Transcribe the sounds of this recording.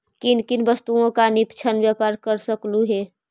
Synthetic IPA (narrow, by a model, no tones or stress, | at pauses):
kinkinbəst̪uõkanɪpt͡ʃʰənʋjapaːɾkəɾsəkluɦeː